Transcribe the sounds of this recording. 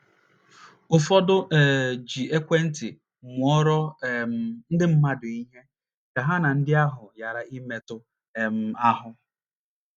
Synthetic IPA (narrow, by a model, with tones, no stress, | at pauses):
ʊ˨fɔ˦dʊ˦ʔɛ˨d͡ʒi˨e˦kʷe˦n̩˦tɪ˨ | m˨ɔ˦ɾɔ˦ | n̩˦dɪ˦m̩˦ma˦dʊ˨i˦ɦe˦ | ka˨ɦa˦na˨n̩˦dɪ˦a˦ɦʊ˨ja˨ɾa˨i˦me˨tʊ˦˨ | m̩˦a˦ɦʊ˦